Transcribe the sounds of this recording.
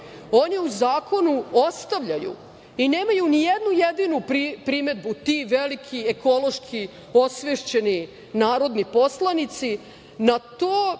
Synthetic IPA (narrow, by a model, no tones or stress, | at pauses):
o̞niuzaːkʰo̞nuost̪aʋʎajṵ | ine̞ːmajunijed̪nujed̪inuɾipɾime̞d̪̚but̪iʋelikʰieko̞lo̞ʃkʰi | o̞sʋeʃt͡ɕe̞ni | naːɾo̞d̪nipo̞slˠanit̪si | nat̪oː